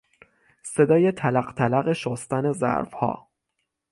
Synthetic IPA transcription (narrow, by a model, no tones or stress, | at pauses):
se̞d̪ɒːje̞t̪ʰælæɢt̪ʰælæɣe̞ʃost̪æne̞zæ̰ɾfhɒ̰ː